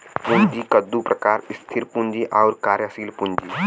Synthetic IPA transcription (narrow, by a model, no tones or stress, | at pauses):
pund͡ʒikəd̪ːupɾɐkaːɾɪst̪ʰɪɾpʊ̃nd͡ʒiʔaʊɾkaːɾjasiːlpʊ̃nd͡ʒi